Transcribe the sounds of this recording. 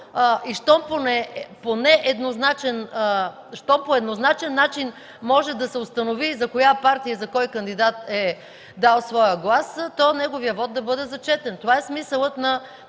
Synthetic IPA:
ʔiʃt̪ɔmponɛponɛʔɛd̪noznat͡ʃɛn | ʃt̪ɔmpoɛd̪noznat͡ʃɛnːat͡ʃin | mɔʒɛd̪ɐsɛʊst̪ɐnovizɐkojapaɾt̪ijəzɐkɔjkɐnd̪id̪at̪ɛ | d̪alˠsvɔjəɡlˠast̪ɔnɛɡovijəvɔt̪d̪ɐbɤd̪ɛzɐt͡ʃɛt̪ɛnt̪ovaɛsmisəlˠət̪nɐ

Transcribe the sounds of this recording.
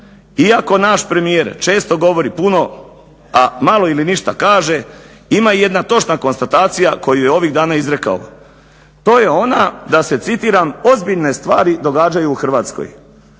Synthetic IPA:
iako̞naʃpɾe̞mije̞ɾt͡ʃe̞ːst̪o̞ɡo̞ʋo̞ɾipuno̞ | amalo̞iliniʃt̪akaːʒe̞ | imaije̞d̪nat̪o̞t͡ʃnako̞nst̪at̪aːt̪sijako̞jujeo̞ʋiɣd̪aːnaizɾe̞ka̰o̰ | t̪o̞ːje̞o̞nad̪ase̞t̪sit̪iːɾamo̞zbiʎne̞st̪ʋaːɾid̪o̞ɡaːd͡ʒajuːxr̩ʋaːt̪sko̰j

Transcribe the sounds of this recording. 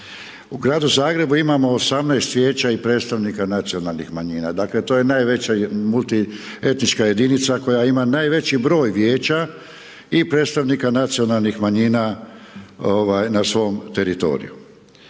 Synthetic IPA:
uɡɾaːd̪uzaːɡɾe̞buimamo̞ːsamnaest̪ʋje̞ːt͡ɕaipɾeːt̪st̪aʋnikanat̪sio̞nalˠnixmaɲiːna̰d̪aːkle̞t̪o̞je̞najʋe̞t͡ɕamulˠt̪ie̞t̪nit͡ʃkaje̞d̪init̪sako̞jaimanaːjʋe̞t͡ɕibɾo̞ːjʋje̞ːt͡ɕa | ipɾe̞ːt̪st̪aʋnikanat̪sijo̞nalˠnixmaɲiːna | oʋajnasʋo̞mt̪e̞ɾit̪o̞̰ɾḭju

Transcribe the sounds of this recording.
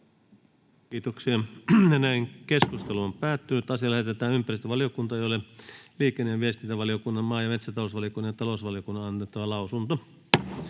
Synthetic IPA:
kiːt̪oksiɑjɑnæiŋkeskust̪eluompæːt̪ːynyt̪ɑsiɑlæhet̪et̪æːnympærist̪əʋɑlijokunt̪ɑeˑijoleliːkˑenːeʋiest̪int̪æʋɑlijokunːɑmmɑːjɑmet̪sæt̪ɑloˑsʋɑlijokunːɑjɑt̪ɑlosʋɑlijokunːɑɑnːet̪ːɑʋɑlɑusunt̪o

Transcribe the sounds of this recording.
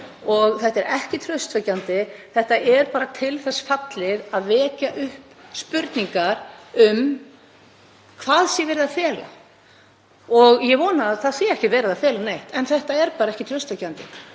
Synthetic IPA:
ɔɣθɛht̪ɛɾɛhcɪt̪ʰɾœɥst̪fœcːant̪ɪθɛht̪aʔɛɾpaːɾat̪ʰɪlθɛsfat̪lɪðaðvɛːcaʔʏhpspʏɾt̪niŋkaɾʏm | kʰvaːðsjɛvɪːɾɪðafjɛːla̰ | ɔɣjɛvɔːnaθaðsɛɛhcɪvɛːɾɪðafjɛːlanejht̪ɛnθɛht̪aɛɾpaːɾaɛhcɪt̪ʰɾœst̪fœcːant̪ɪ

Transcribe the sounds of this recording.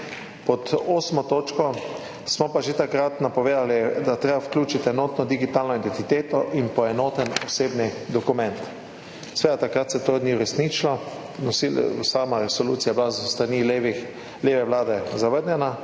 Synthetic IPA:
pɔt̪oːsmɔt̪oːt͡ʃkɔ | smɔpaʒet̪akɾat̪napɔʋeːd̪alid̪at̪ɾeːbawklʲuːt͡ʃit̪ɛnoːt̪nɔd̪iɡit̪aːlnɔid̪ɛnt̪it̪eːt̪ɔʔinpɔɛnoːt̪ɛnɔseːbnid̪ɔkumɛ̃nt̪ | sʋeːd̪at̪akɾat̪sɛt̪od̪niuɾɛsniːt͡ʃilɔ | nɔsisamaɾɛsɔluːt̪sijablazst̪ɾaniːlʋ | leːʋɛʋlaːd̪ɛzaʋəɾnʲjɛna

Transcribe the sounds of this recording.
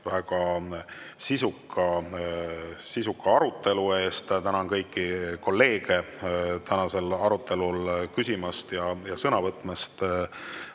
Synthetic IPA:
væɡ̥ɑ | sisukʰːɑ | sisukːˑɑɑɾut̪ːˑe̞lue̞ːst̪t̪ænɑnkɤjkːˑiko̞lːe̞ːɡ̥e̞ | t̪ænɑse̞lɑɾut̪ˑːe̞lulkysʲimɑst̪jɑjɑsɤnɑvɤt̪ːˑmest̪

